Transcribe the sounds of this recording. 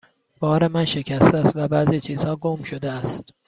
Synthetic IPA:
b̥ɒːɾe̞mænʃecʰæst̪æst̪væbæziːt͡ʃʰiːz̥hɒːɡomʃod̪eæst̪

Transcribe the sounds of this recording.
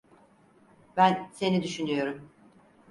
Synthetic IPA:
bænse̞nid̪yʃynyjo̞ɾum

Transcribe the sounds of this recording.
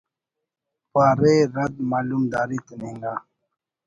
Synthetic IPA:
paːɾeɾɐd̪̚maːlumd̪aːɾit̪uneŋɡaː

